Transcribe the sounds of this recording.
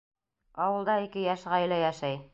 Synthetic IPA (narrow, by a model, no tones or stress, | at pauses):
ɑwɤ̆lˠd̪ɑikɘjæʃʁæjlæjæʃæj